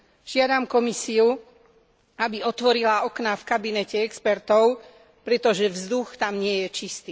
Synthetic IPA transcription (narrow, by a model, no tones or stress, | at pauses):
ʒ̥ɪad̪amkɔmisiu | abiɔt̪ʋɔɾilaɔknafkabinɛcɛɛkspɛɾt̪ɔʊ | pɾɛt̪ɔʒɛvzd̪uxt̪amɲɪɛjɛt͡ʃist̪iː